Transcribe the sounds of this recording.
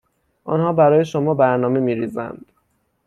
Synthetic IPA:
ʔɒnhɒːbæɾɒːje̞ʃomɒːbæɾnɒːme̞miːɾiːzæ̰nd̪̥

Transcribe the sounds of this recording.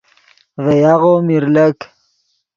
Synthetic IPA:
vejaɣomiɾlək

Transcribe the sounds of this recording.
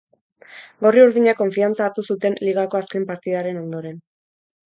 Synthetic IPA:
ɡo̞riuɾðiɲako̞ɱfiant͡saːɾt̪usut̪e̞nliɣ̞ako̞aske̞mpaɾt̪iðaɾe̞no̞nd̪o̞ɾe̞n

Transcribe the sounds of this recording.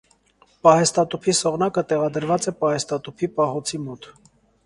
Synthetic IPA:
pɑhɛst̪ɑt̪upʰisɔʁnɑkət̪ɛʁɑd̪əɾvɑt͡sɛpɑhɛst̪ɑt̪upʰipɑɦɔt͡sʰimɔt̪

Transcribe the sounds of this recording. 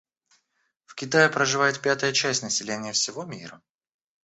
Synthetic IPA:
fkʲɪt̪ajɪpɾəʐɨvajɪt̪̚pʲat̪əjət͡ɕæsʲtʲnəsʲɪlʲenʲɪjəfsʲɪvomʲiɾə

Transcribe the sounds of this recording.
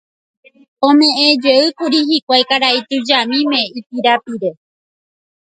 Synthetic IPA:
õmẽẽd͡ʒeɨkuɾiɦikʷajkaɾait̪ɨd͡ʒamĩmẽ̞ipiɾapiɾe

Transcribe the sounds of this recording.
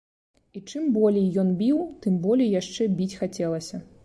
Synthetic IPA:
it͡ʂɨmbɔlʲejjɔnbʲiwt̪ɨmbɔlʲijjaʂt͡ʂɛbʲit͡sʲxat͡sʲɛlˠɐsʲɐ

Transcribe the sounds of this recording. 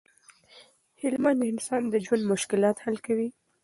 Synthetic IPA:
hɪlmand̪ɪnsɑnd̪əd͡ʒwand̪mʊʃkɪlɑt̪halkawi

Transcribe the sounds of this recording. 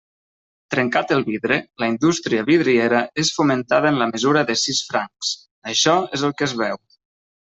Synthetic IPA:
t̪ɾəŋkat̪əlˠβiðɾələind̪ust̪ɾiəβiðɾieɾəesfumənt̪aðənləməzuɾəðəsisfɾaŋs | əʃɔezəlˠkəzβɛw

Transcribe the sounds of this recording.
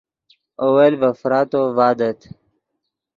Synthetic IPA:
owelvɐfɾaːt̪oːvaːd̪ət̪ʰ

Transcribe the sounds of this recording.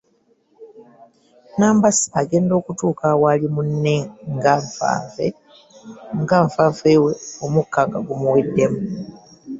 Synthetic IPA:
naːmbasi̥aɡe̞ːndo̞ːkutuːkawalimunːeŋɡaɱfa̰ːvḛ | ŋɡaɱfaːveweomukːaŋɡaɡumuwedːe̞mu

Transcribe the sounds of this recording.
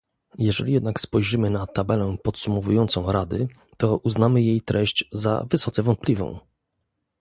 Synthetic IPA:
jɛʐɛ̰lʲijɛd̪nakspɔjʐɘmɘnat̪abɛlɛpɔt̪sumɔvujɔnt̪sɔ̃w̃ɾad̪ɘ | t̪ɔʔuznamɘjejt̪ɾɛɕt͡ɕza̰vɘsɔt̪sɛvɔnt̪̚plʲivɔ̰̃w̃

